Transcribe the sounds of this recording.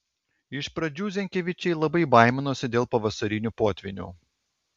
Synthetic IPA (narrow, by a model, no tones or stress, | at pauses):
ɪʃpɾɐd͡ʒʲuːzʲɛŋʲkʲeʋʲɪt͡ʃʲɛɪlˠɐbɐɪbɐˑɪmʲɛnoːsʲɪd̪ʲeːlˠpɐʋɐsɐɾʲɪnʲuːpoːt̪ʲʋʲɪnʲṵː